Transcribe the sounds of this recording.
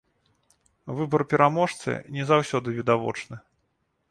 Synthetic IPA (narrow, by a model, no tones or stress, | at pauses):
vɨbɐɾpʲɛɾamɔʂt̪sɨ̰nʲɛzawsʲɔd̪ɨvʲid̪avɔ̰t͡ʂnɨ